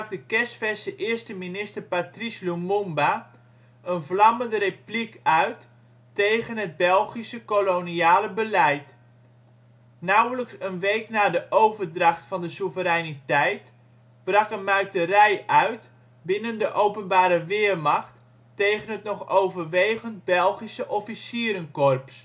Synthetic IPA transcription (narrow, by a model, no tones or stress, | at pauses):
k̚dəkɛstfɛsəʔɪɹstəminɪstəɹpatrislumomba | ʔənvlɑməndəreplikœɥtː | ejχənɦəd̚bɛlˠχisəkoloniaːləbəlɛjt | nawələksənʋejknaːdəʔowvərdrɑχtfɑndəsuvəɾɛjnitɛjt | b̥rɑkənmœɥtərɛjʔœɥt | bɪnəndəʔowpənbaːɾəʋɪːrmɑχtː | ejχənɦətnɔχowvərʋejɣənt̚bɛlˠχisəʔɔfisiːɾənkɔrps